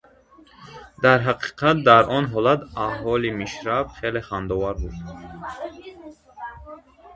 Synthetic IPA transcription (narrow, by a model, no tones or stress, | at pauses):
d̪aɾɦaqʰi̥qʰat̪̚d̪aɾʔɔnɦɔlat̪ahɔlimiʃɾabχeleχand̪ɔvaɾbud̪